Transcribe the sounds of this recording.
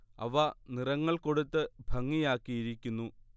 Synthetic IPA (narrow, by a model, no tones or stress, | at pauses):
ɐ̰ʋɐnirɐŋːɐɭko̞ɽut̪ːɨbʱɐŋːijaːkːijiɾikʲːunːu